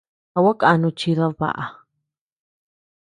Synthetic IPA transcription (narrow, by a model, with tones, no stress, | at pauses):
a˧wa˦ka˧nũ˧t͡ʃi˧ða˧βa̰˨ʔa˨